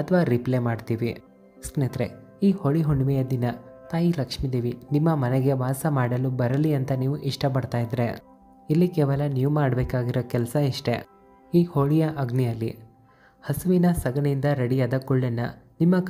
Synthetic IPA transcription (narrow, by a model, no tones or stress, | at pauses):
ɐt̪ʰɐʋaːɾiplemaːɖt̪iːʋi | skneːt̪ɾe | iːhoɭiɦoɳɖʋɛjɐd̪inɐt̪aːjilɐkʂmid̪iːʋinimːɐmɐneɡe̞ʋaːsɐmaːɽɐlubɐɾɐliɐnt̪ɐniːʋuʔiʂʈɐp̬ɐɽt̪aːjid̪ɾe̞̰ | ilːikɛːʋɐlɐniːʋumaːɽɐbeːkaːɡiɾoːkɛlɐsɐiʂʈe̞̰ | iːhoɭijɐʔɐɡnijɐlːi | hɐsuʋinɐsɐɡɐɳind̪ɐɾɐɽijaːd̪ɐkuɭːɐnːɐ̰nimːɐk